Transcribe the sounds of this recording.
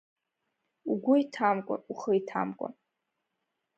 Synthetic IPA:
uɡʷʊitʰamkʷʼa̰uχəitʰa̰mkʷʼa̰

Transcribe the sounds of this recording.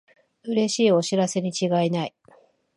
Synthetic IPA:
ɯ̟ɾe̞ɕiːo̞ɕiɾase̞ɲ̟it͡ɕiɡainai

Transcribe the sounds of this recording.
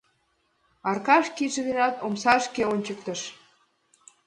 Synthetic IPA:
ɑrkɑʃkiʒĕðenɑt̪omsɑʃkeonʲt͡ɕək̚t̪ə̆ʃ

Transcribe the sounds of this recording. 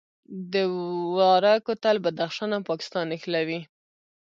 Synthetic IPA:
d̪əwɑɾakot̪albad̪axʃɑnampɑkɪ̥st̪ɑnɪxlawi

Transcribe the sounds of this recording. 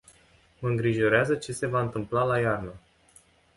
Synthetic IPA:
məɨŋɡɾiʒo̞ɾeazət͡ʃe̞se̞vaɨnt̪ɨmplalajarnə

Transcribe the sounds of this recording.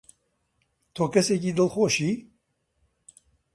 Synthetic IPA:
t̪ʰoːkɛsek̬iːd̪ɨlxoːʃiː

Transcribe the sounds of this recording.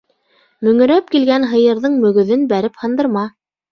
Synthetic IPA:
mɵ̆ŋɵ̆ɾæp̚kilɡænɦɤ̆jɤ̆ɾðɤɴmɵ̆ɡɵ̆ðɘnbæɾɘphɤ̆nd̪ɤ̆ɾmɑ

